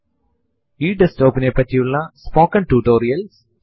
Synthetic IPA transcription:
jiːɖɐsʈoːpə̃nepɐt̪juːlãspoːkɐ̃ɳʈuːʈoːɾijɐls

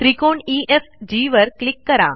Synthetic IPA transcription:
t̪ɾikoɳiʔefd͡ʑiʋəɾklikːəɾa̰

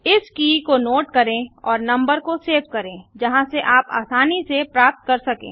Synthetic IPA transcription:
ɪskiːkonoːʈkɐɾẽɔːɾnɐ̃mbəɾkoseːbkɐɾẽːd͡ʒɐɦãseʔaːpa̰ːsaːnisepɾaːp̚t̪̚kɐɾsɐkḛ̃ː

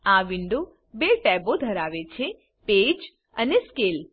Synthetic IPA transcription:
aʋɪɳɖu | beʈɛbod̪ʱəɾaʋet͡ʃʰe | ped͡ʒ | əneskel

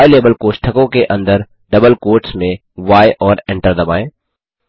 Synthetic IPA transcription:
jleːbəlkoːʃʈʰəkõkeʔɐ̃nd̪əɾ | ɖɐbəlkoːʈsmẽ | ʋaːjʔɔːɾɪ̃ɳʈəɾd̪ɐbaːẽː

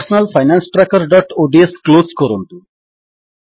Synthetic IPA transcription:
ɾsnəlfajnansʈɾakəɾɖɔʈoɖieskloskəɾont̪u

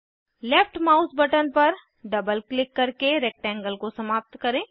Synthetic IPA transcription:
lɛpʰʈmaːʊsbɐʈənpɐɾ | ɖɐbəlklɪkːɐɾkeɾɛːk̚ʈɛ̃ːŋɡəlkosɐmaːp̚t̪kɐɾẽː

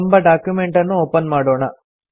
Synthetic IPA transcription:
mbɐɖaːkjume̞ɳʈɐnːuoːpɐnmaːɽoːɳɐ

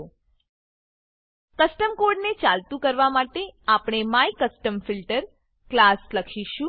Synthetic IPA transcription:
kəsʈəmkoɖnet͡ʃalt̪ũkəɾʋamaʈeapɳ̃emajikəsʈəmfilʈəɾ | klasləkʰiʃũ

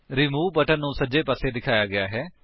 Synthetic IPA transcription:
ɾɪmuːbəʈənːũːsəd͡ʒeːpaːseːd̪ɪkʰaːjaːɡɪjaːɦɛː

